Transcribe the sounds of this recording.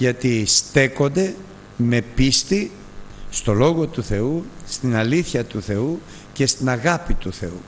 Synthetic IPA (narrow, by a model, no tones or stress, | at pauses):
ʝɐt̪ist̪e̞ko̞nd̪e̞ | me̞pist̪i | st̪o̞lo̞ɣo̞t̪uθe̞ust̪inɐliθçɐt̪uθe̞u | ce̞st̪inɐɣɐpit̪uθe̞u